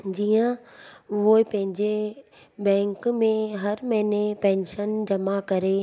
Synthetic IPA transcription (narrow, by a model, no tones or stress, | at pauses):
d͡ʑiːjə̃ʋoːipɐ̃ɦɪ̃ɲd͡ʑe | bɛ̃ːŋkmẽɦɐɾmɐɦɪnepɛ̃ːnʃənd͡ʑɐmakɐɾe